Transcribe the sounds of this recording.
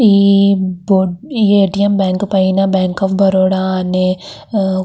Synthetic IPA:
iboiːeːʈijɐmbaːŋkpɐjnabaːŋkaːfbʱɐɾoːɽaaːne

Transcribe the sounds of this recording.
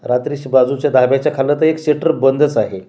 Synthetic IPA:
ɾat̪ɾiɕbad͡zut͡ɕjad̪ʱabjat͡ɕjakʰalət̪əekɕeʈəɾbənd̪ət͡saɦe

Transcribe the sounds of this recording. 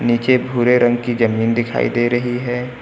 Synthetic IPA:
niːt͡ʃebʱuːɾeɾɐ̃ŋɡkid͡ʒɐmiːnd̪ɪkʰa̰ːḭd̪eːɾɐɦiɦɛː

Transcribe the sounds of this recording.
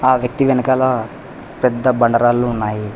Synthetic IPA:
aːʋjɐk̚t̪iʋɛnkaːlɐ | pɛd̪ʱːɐbɐɳɖəɾaːlːuunːaːɦi

